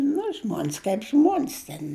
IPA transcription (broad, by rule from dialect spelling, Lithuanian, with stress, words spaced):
nʊ ˈʒmoːnʲs kɐɪp ˈʒmoːnʲsʲ tʲɛn